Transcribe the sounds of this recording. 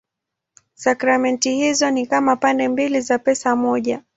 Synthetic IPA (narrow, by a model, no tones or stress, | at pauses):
sakɾamɛntihizɔnikamapandɛmbilizapɛsamɔʄa